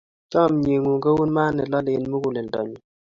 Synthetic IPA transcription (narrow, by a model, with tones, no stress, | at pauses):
t͡ʃɔ˦˨mɲe˨ŋu˨ŋɡə˦wu˦nma˦nːɛ˨lɔ˦lɪ˨nmu˦ku˨le˨ndɔ̰˨ɲi˨